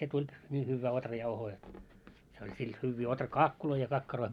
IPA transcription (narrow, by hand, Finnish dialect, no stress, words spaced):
se tulʲ niː hyʋːæː otrɑjɑuhoː jot se olʲ sil hyʋːiː otrɑkɑːkːuloi jɑ kɑkːɑroi